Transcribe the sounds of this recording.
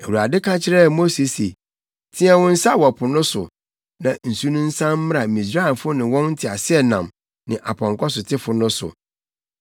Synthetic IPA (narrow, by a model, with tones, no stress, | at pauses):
e˨wu˨a˨dɪ˦kʰã˦t͡ɕʰɪ˦ɾɛ˦˨mo˦se˨se˨ | tʰĩ˦ɛ˦wɔ̃˦n̩˦sa˦˨wɔ˨pʰʊ˨nʊ̃˦sʊ̰˨ | nã˨n̩˨su˦nũ˦n̩˦sã˦m̩ː˦ɾa˨mĩ˨sɾa˦ɪ˨nfʊ˦nɪ̃˨wɔ̃˦nn̩˦tʰɪ˨a˨sɪ˦ɛ˦nã˨m | nɪ̃˨ʔa˨pʰɔ̃˨ŋkʰɔ˦sʊ˨tʰɪ˦fʊ˨nʊ̃˦sʊ̰˨